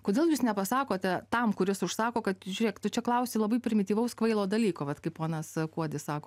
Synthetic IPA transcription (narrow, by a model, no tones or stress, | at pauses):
koːd̪ʲeːlˠjuːsnʲɛpɐsɑːkoːt̪ʲɛt̪ɐmkʊɾʲɪsʊʃsɑːkoːkɐt̪ʒʲʊɾʲeɛkt̪ʊt͡ʃʲɛklˠɐʊsʲɪlˠɐbɐɪpʲɾʲɪmʲɪt̪ʲiːʋɐʊskʋɐɪlˠoːd̪ɐlʲiːkoːʋɐt̪kɐɪppoːnɐskuɔd̪ʲɪssɑːkoː